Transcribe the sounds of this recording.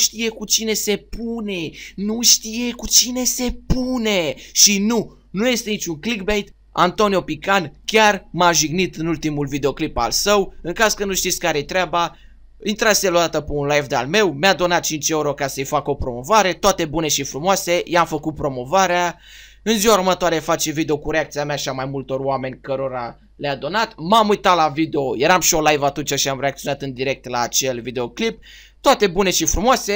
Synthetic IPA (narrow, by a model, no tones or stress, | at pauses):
ʃt̪ije̞kut͡ʃine̞se̞pune̞nuʃt̪ije̞kut͡ʃine̞se̞pune̞ʃinu | nuje̞st̪e̞nit͡ʃʲuŋklik̚bejt̪ | ant̪o̞niopikankʲarmaʒiɡnit̪ɨnult̪imulvid̪eo̞klipa̰lsəwɨŋkazkənuʃt̪it̪sʲkaɾejet̪ɾeaba | int̪ɾat̪selod̪at̪əpeunlajvd̪ea̰lme̞wmead̪o̞nat̪̚t͡ʃint͡ʃe̞uɾo̞kasəəjfako̞pɾo̞mo̞vaɾe̞t̪owat̪e̞bune̞ʃifɾumoase̞jamfəkut̪̚pɾo̞mo̞vaɾea | ɨnziwauɾumət̪oaɾe̞fat͡ʃe̞vid̪e̞o̞kuɾeak̚t̪siamaʃiamajmult̪o̞roame̞nʲkəɾo̞ɾa | lead̪o̞nat̪mamujt̪atlavid̪eo̞je̞ɾamʃio̞lajvat̪unt͡ʃaʃiamɾe̞akt̪sijo̞nat̪ɨnd̪iɾe̞k̚t̪laːt͡ʃe̞lvid̪e̞o̞klip̚ | t̪oat̪e̞bune̞ʃifɾumoase̞